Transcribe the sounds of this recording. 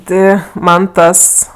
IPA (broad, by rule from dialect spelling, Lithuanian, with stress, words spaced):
ˈtʲɪ ˈmɐn ˈtɐs